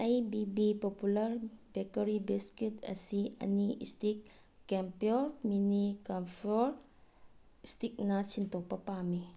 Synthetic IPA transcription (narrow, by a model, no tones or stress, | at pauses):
ajbibipɔpulɐɾbekəɾibiskitɐ̰siɐ̰niʔḭstikː | ɛmpioɾminikampʰoɾ | istik̚nɐsintɔpːɐpami